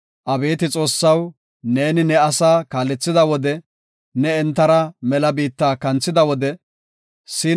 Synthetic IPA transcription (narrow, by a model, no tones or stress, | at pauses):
ʔɐbe̞ːt̪ɪt͡sʼo̞ːsːɐw | ne̞ːnɪnɛɐsaːkaːlɛt͡sːɪd̪ɐwɔd̪ɛ | nɛɛnt̪ːɐɾɐmɛlɐbiːt̪ːaːkɐnt͡sːɪd̪ɐwɔd̪ɛ | sɪ